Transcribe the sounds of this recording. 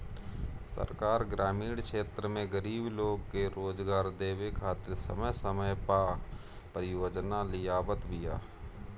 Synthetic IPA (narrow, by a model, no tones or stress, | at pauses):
sə̰ɾkaːɾɡɾaːmiːɽkʃeːt̪ɾəmẽɡəɾiːbloːɡ̚keɾoːd͡ʒɡaːɾd̪eːʋekʰaːt̪ɪɾsə̰məjsəməjpaː | pəɾɪjoːd͡ʒnalɪjaːbət̪bɪja̰ː